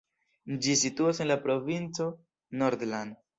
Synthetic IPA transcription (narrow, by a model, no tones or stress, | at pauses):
d͡ʒisituase̞nlapɾo̞vint͡so̞ | noɾdland